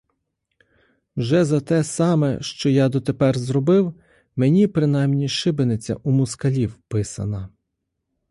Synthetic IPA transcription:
wʒɛzɐt̪ɛsɑmɛ̰ʃt͡ʃɔjɑd̪ɔt̪epɛrzɾɔbɪw | menʲipɾɪnɑjmnʲiʃɪbenet͡sʲːɐ̰ʔumʊskɐlʲiwpɪsɐ̰nɐ

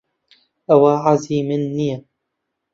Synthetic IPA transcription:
ʔawaːʕaziːmɪnːija

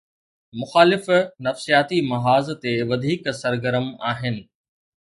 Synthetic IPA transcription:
mʊxaːlɪfnɐfsijaːt̪imɐɦaːzt̪eʋɐd̪ʱiːksɐɾɡəɾəmaːɦɪnɪ̆

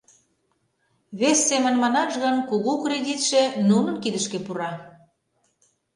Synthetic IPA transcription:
βesːemə̆nmɑnɑʒɣɤnkuɣukredʲit̪ʃenunə̆nkid̪əʃkepuɾɑ

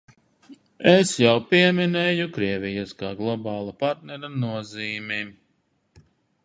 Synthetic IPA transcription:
esjawpiɛminɛjukɾiɛvʲijaskaːɡlˠɔbɑːlˠapaɾt̪̚nɛɾanuɔziːmim

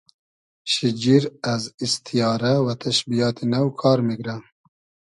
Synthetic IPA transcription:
ʃid͡ʒiɾæzist̪ʰijɑːɾɛwɛt̪ʰɛʃbijɑːt̪ʰenɛwkʰɑːɾmiɡɾɛ

